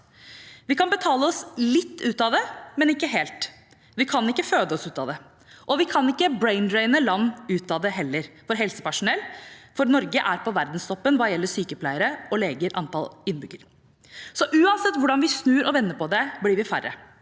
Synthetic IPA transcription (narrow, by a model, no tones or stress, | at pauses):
ʋɪkɑnbət̪ʰɑːləɔslɪt̪ːʉːt̪ɑd̪ɛmɛnɪkːəɦeːlt̪ | ʋɪkʰɑnɪkːəføːd̪əɔsʉːt̪ɑd̪ɛ | ʔɔʋɪkʰɑnɪkːəbɾeɪnd̪ɾɛɪnəlɑnːʉːt̪ɑd̪ɛɦɛlːəɾfɔɾɦɛlsə̥pæʂʊnɛlːfɔɾnɔɾɡəʔæːɾpɔʋæɾd̪n̩st̪ʰɔpːənʋɑːjɛlːəsyːkəpʰlæɪəɾəʔɔleːɡəɾʔɑ̰nt̪ɑ̰lɪnːbʏɡəɾ | sɔʔʉːɑnsɛt̪ːʋʊɖɑnʋɪsnʉːɾʔɔʋɛnːəpʰɔd̪ɛblɪɾʋɪfæɾə̰